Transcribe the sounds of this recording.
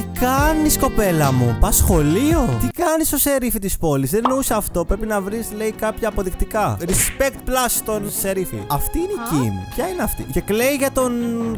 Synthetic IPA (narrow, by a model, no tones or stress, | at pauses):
t̪ikɐnisko̞pe̞lɐmṵpɐsxo̞lio̞t̪ikɐniso̞se̞ɾifit̪ispo̞lizðenousɐft̪o̞pɾepinɐvɾisleikɐpçɐːpo̞ðikt̪ikɐɾispekt̪̚plɐst̪onseɾifḭɐft̪iineicinḭçɐineɐft̪ḭce̞kle̞iʝɐt̪o̞n